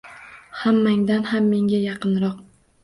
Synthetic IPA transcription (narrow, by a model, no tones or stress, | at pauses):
hamːaŋd̪anhamːe̞ŋɡʲajɑqɨnɾɒq